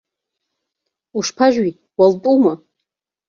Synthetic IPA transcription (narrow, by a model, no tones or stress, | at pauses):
uʂpʰaʒᶣɥi | waltʼuma